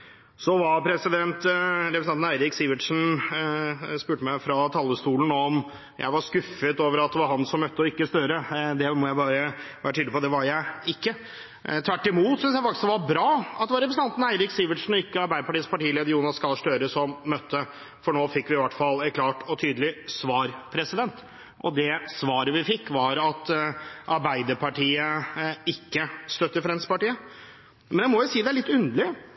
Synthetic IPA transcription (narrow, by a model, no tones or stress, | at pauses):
sɔʋɑɾpʰɾɛsɪd̪ɛnt̪ɾɛpɾsnɑnn̩æɪɾɪksiːʋɪʈʂn̩ | spʉːʈəmæɪfɾɑt̪ʰɑlːəst̪uːln̩ɔm | jʔæ̰ɪʋɑɾskʉfːət̪oːʋəɾɑt̪̚d̪ɛʋɑɾɦɑnsɔmœt̪ːəɔɪkːəst̪øːɾəd̪ɛmɔjæɪbɑːɾəʋæːɾəʈ̪ʰyːd̪əpɔd̪ɛʋɑɾjæɪɪkːə | t̪ʰʋæʈːɪmuːt̪sʏnsjæɪfɑkt̪sd̪ɛʋɑɾbɾɑːɑt̪d̪ɛʋɑɾɛpɾsn̩ʰɑnt̪n̩æɪɾɪksiːʋəʈʂn̩ɔɪkːəɑɾbæɪd̪əpʰɑʈiːəspɑʈiːleːd̪əɾjuːnɑskɑlʂʈøːɾəsɔmːœt̪ʰːə | fɔɳoːfɪkːʋɪɪʋɑʈfɑlːɛkʰlɑːʈʰɔt̪ʰyːd̪əlɪsʋɑːɾpʰɾɛsɪd̪ɛnt̪ | ʔɔ̰d̪ɛsʋɑːɾəʋɪfɪkːʋɑɾɑt̪ʔɑɾbæɪd̪əɾpʰɑʈʰiːəɪkːəst̪œt̪ːəfɾɛnspɑʈiːə | mɛnjæɪmɔjʊsiːd̪ɛæɭɪt̪ːʉnd̪əɭɪ